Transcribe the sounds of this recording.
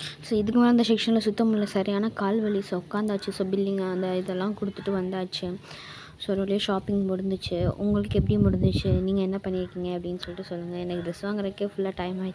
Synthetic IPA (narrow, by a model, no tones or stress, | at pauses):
soːɪðɯkːɯmaːlɐnd̪ɐʃɛkʂɐnɪlɐsʊt̪ːɐmʊlːɐsɐɾɪjaːnɐkaːlʋɐɭisɔkːaːnd̪aːt͡ʃːɯsoːbɪlːɪŋɡaðɐɪðɛlːãːkɔɽɯt̪ːɯʈːɯʋɐnd̪aːt͡ʃːɯ | soɾɐɭɪjɐʃaːpɪŋɡmʊɽɯnd̪ɯt͡ʃːɯʊ̰ŋɡɐɭɯkːɯɛpːɐɽɪjɯ̃mʊɽɪnd̪ɯt͡ʃːɯniːŋɡɐɛnːɐpɐɳːɪɾɯkːiːŋɡɐɐpːɐɽɪnːɯsɔlːɪʈːɯsɔlːɯŋɡɐɛnɐkːɯd̪ɛsɯʋaːŋɡɐɾɐkːeːfʊlːaːʈɐɪmaːʈː